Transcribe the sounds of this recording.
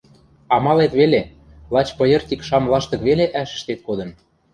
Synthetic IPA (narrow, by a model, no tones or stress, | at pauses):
ɑmɑlet̪βele | lɑt͡ɕpɤ̆jɤ̆rt̪ʲikʃɑmlˠɑʃt̪ɤ̆kβeleʔæʃə̥̆ʃt̪et̪̚kod̪ɤ̆n